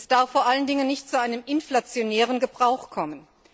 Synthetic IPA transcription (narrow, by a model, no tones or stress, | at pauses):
sd̥aɐfːoːɐʔaləndɪŋənːɪçtt͡suʔaɪnəmʔɪnflat͡sjonɛːʁ̞ənɡəbʁaʊxkʰɔmən